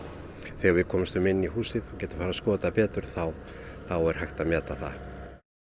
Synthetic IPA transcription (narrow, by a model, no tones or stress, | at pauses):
θɛːɣaɾvɪðkʰɔːmɪmst̪vʏmɪnːihuːsɪðɔɣcɛːt̪ʏmfaːɾaskɔːt̪apɛːt̪ʏɾ̥θawθawɛɾ̥hajxt̪amjɛːt̪aθa̰